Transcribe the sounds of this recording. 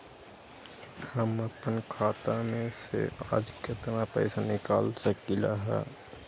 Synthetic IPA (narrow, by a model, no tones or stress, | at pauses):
həməpənkʰaːt̪amẽsḛa̰ːd͡ʒkət̪napɛ̰ɪsanɪkaːlsəkɪla̰ɦɛ̰ː